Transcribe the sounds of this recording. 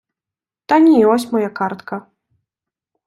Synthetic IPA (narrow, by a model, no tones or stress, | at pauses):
t̪anʲijɔsʲmɔjakart̪kɐ